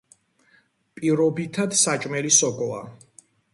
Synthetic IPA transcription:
pʼiɾɔbit̪ʰad̪sat͡ʃʼmɛlisɔɡɔa̰

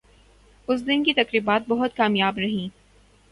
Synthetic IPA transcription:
ʊs̬d̪ɪnkit̪ɐkɾiːbaːt̪̚bɐɦʊt̪̚kaːmjaːbɾɐɦĩː

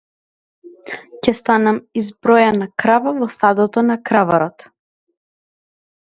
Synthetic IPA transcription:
cɛst̪anamizbɾɔjanakɾavavɔst̪ad̪ɔt̪ɔnakɾavaɾɔt̪

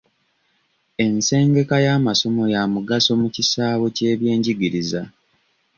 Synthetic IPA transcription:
e̞nse̞ːŋɡe̞kajaːmaso̞mo̞jamuɡaso̞mucisaːβo̞ce̞ːβje̞ːɲɟiɡiɾiza

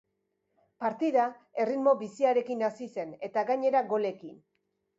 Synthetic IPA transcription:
paɾt̪iða | e̞rid̪mo̞βisiaɾe̞kinasise̞ne̞t̪aɡaɲe̞ɾaɣo̞le̞kin

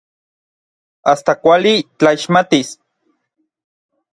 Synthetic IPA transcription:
ast̪akʷalit͡ɬaiʃmat̪is

